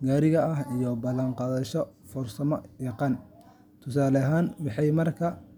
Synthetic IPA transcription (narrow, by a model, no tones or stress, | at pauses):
ɡaːɾɪɣɐɐhijɔbɐlːɐɴqɑːðɐʃɔfɔrsɐmɔjɑqɑːn | t̪ʰʊsaːlɐɦaːnwɑħɑjmɐrkʰɐ